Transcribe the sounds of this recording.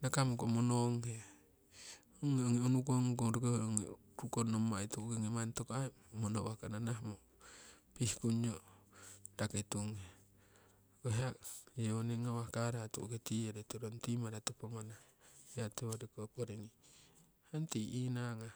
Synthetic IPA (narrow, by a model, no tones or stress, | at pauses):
nakamokomonoŋhe | oŋeoŋionukoŋkoŋɾukohoŋḭ | ɾukonomaituɡeŋemantokae | monowakananahmo | pihkuɲo | daketuŋe | keɦajeoneŋawakaɾatṵketieɾetoɾontimaɾatopomana | jatewaɾikopoɾiŋi | hantiinaŋa